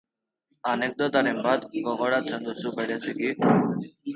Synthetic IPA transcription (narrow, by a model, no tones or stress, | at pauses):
anek̚d̪ɔt̪aɾembad̪ɡɔɣoɾat͡sʰend̪usubeɾet͡sʰiɡi